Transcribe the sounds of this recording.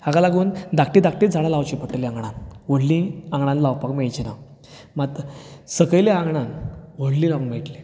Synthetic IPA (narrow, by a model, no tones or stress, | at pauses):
haɡalaɡuːnd̪ak̚ʈid̪ak̚ʈid͡zʱaɽalawt͡ɕipəʈəliãŋɡɳãnʋoɽlĩãŋɡɳãnlawpakmejt͡ɕina | mat̪səkəjleãŋɡɳanʋoɽlĩːlaʋnmeʈli